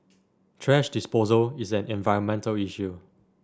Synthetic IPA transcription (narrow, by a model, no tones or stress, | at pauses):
tʰɹɛʃdispozəlisɛ̃nɛ̃nvaɪə̃nmɛ̃ntəliʃju